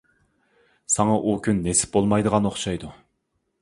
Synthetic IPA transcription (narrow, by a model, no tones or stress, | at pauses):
sɑŋɑʔukʲynːesɪ̥p̚bolˠmɑjd̪əʁɑnoχʃɑjd̪u